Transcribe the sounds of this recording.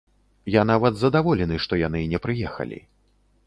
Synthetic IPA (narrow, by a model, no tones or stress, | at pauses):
janavɐd̪zɐd̪avɔlʲɛnɨʂt̪ɔjanɨnʲɛpɾɨjɛxɐ̰lʲḭ